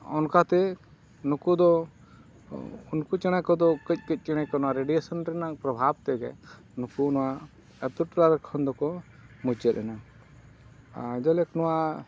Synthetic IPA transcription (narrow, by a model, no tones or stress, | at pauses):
ɔnkat̪ɛ | nukud̪ɔ | unkut͡ʃɛɽ̃ajkɔd̪ɔkəc̚ˀkəc̚ˀt͡ʃɛɽ̃ajkɔnɔwaɾeɖijesɔnɾɛnapɾɔbʱab̚t̪ɛɡɛ̰ | nukunɔwa | ət̪uʈɾaɾkʰɔnd̪ɔkɔ | mud͡ʒət̪̚ɾɛna | d͡ʒalɛknɔwa